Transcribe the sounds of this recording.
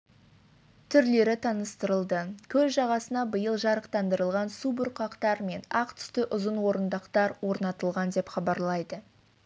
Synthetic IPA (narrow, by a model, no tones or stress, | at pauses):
t̪ʰʏɾle̞ɾɪt̪ʰɑnəst̪əɾəlˠd̪əkʲʰɵzʒɑʁɑsənɑbəjəlˠʒɑɾəqt̪ɑnd̪əɾəlˠʁɑnsubʊɾqɑqt̪ɑɾme̞nɑqt̪ʰʏ̥st̪ɪʔʊzənwo̞ɾənd̪əqt̪ɑɾwo̞ɾnɑt̪əlˠʁɑnd̪e̞pχɑbɑɾlˠɑjd̪ə